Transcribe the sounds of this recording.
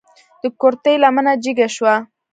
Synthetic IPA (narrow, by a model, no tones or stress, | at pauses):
d̪̥əkoɾt̪əjlamənad͡ʒiɡaʃwa